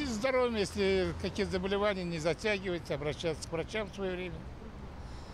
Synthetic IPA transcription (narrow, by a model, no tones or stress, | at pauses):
ɪzd̪ɐɾovʲɪmjesʲlʲɪkɐkʲixzəbəlʲɪvanʲɪjənʲɪzɐtʲaɡʲɪvəjɪtʲɪɐbɾɐɕːæt̪sə̥kvɾɐt͡ɕamfsvɐjovɾʲemʲə